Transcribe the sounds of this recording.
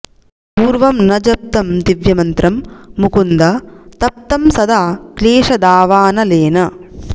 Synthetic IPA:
puːɾʋɐmnɐd͡ʒɐp̚t̪ɐmt̪iʋjɐmɐnt̪ɾɐmːukund̪ɐt̪ɐp̚t̪ɐmsɐd̪aːkleːʂɐd̪aːʋaːnɐleːnɐ

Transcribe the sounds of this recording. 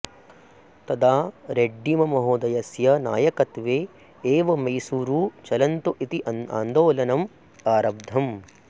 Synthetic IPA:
t̪ɐd̪aːɾeɖːimɐmɐɦoːd̪ɐjɐsjɐnaːjɐkɐt̪ʋeː | eːʋɐmɐjsuːɾuːt͡ʃɐlɐnt̪uʔit̪iʔɐna̰ːnd̪oːlɐnɐm | aːɾɐb̚d̪ʱɐm

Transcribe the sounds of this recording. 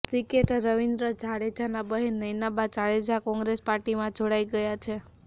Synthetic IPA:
sikeʈɾəʋind̪ɾəd͡ʒʱaɽed͡ʒanabəɦenːəjnabat͡ʃaɭed͡ʒakɔ̃ŋɡɾespaɾʈimãd͡ʒʱoɽajɡəjat͡ʃʰe

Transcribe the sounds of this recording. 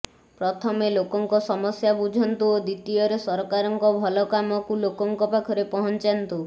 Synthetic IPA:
pɾɔt̪ʰɔmelokɔŋkɔsɔmɔsjabud͡ʒʱɔnt̪uod̪it̪iɔɾesɔɾɔkaɾɔŋkɔbʱɔlɔkamɔkulokɔŋkɔpakʰɔɾepɔɦɔnt͡ʃant̪u

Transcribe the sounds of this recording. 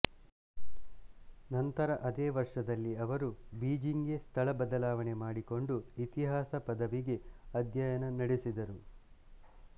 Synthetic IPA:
nɐnt̪ɐɾɐʔɐd̪eːʋɐɾʂɐd̪ɐlːiɐʋɐɾubiːd͡ʒiŋɡe̞st̪ʰɐɭɐbɐd̪ɐlaːʋɐne̞maːɽiko̞ɳɖuit̪iɦaːsɐpɐd̪ɐʋiɡe̞ɐd̪jɐjɐnɐnɐɽesid̪ɐɾu

